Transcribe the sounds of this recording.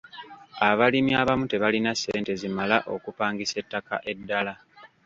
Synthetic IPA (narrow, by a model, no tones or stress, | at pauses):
aβalimiaβamute̞βalinase̞ːnte̞zimalaʔo̞kupaːŋɡise̞tːaka̰ʔe̞dːala